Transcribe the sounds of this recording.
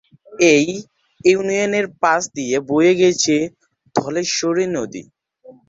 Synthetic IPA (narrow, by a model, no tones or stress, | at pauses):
ej | iunioneɾpasd̪ijebojeɡɛt͡ɕʰe | d̪ʱɔleʃoɾiɾnod̪ḭ